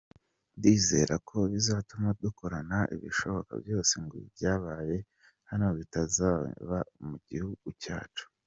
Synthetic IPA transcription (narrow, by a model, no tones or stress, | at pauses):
ndiːze̞̰ɾakʰo̞βizaːtumaduko̞ɾanaʔḭβḭʃo̞βo̞ka̰bjo̞ːse̞ŋɡo̰βḭβjaːβaːje̞ | hanioβitazaːβamuɟihuɡ̥uca̰ːt͡ʃu̥